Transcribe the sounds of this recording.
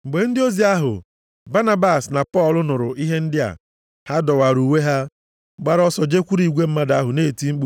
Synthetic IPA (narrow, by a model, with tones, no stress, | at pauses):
ŋ͡m̩˨ɡ͡be˨n̩˦dɪ˦o˦zi˨a˦ɦʊ̰˨ | ba˦na˦ba˦˨sna˨pɔ˦˨lʊ˦nʊ˨ɾʊ˨ʔi˦ɦe˦n̩˦dɪ˦a̰˨ | ha˦dɔ˨wa˨ɾu˨we˦ɦa˦ | ɡ͡ba˦ɾɔ˦sɔ˨d͡ʒe˦kʷu˦ɾi˨ɡʷe˦m̩˦ma˦da˦ɦʊ˨neː˦˨ti˦ŋ͡m̩˦k͡pu˦